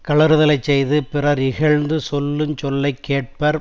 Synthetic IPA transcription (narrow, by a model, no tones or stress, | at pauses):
kɐɭɐɾɯðɐlɐɪt͡ʃːɛjðɯpɪrɐɾɪɣɐɻnd̪ɯsɔlːɯnt͡ʃɔlːɐɪkːeːʈ̚pɐɾ